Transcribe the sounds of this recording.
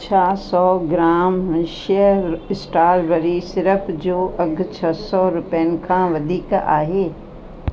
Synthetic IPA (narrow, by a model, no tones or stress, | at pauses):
t͡ʃʰaːsɔːɡɾaːmɪ̃ʃjəɪsʈaːɾʋəɾisɪɾəpʰd͡ʒoːʔɐɡʱt͡ʃʰɐsɔːɾʊpeənkʰãːʋɐd̪ʱiːkaʔaːɦeː